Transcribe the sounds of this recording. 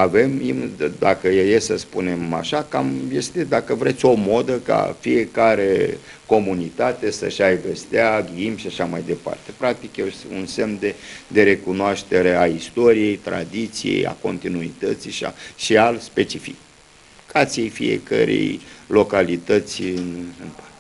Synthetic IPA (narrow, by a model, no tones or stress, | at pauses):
ave̞mimd̪akəjejesəspune̞ma̰ʃakamje̞st̪e̞d̪akəvɾe̞t̪sʲo̞mo̞d̪əka̰fije̞kaɾe̞ | ko̞munit̪at̪e̞sə̰ʃajɡəst̪eaɡiimʃiaʃamajd̪e̞pa̰rt̪e̞̥pɾak̚t̪ikjeunse̞md̪ed̪e̞ɾe̞kunoaʃt̪e̞ɾe̞aist̪o̞ɾije̞jt̪ɾa̰d̪it̪sijḛja̰ko̞nt̪inuit̪ət̪siʃa̰ʃialspe̞t͡ʃifik | kat̪sijejfḭjḛkə̰ɾḛjlo̞kalit̪ət̪sʲɨnɨnpa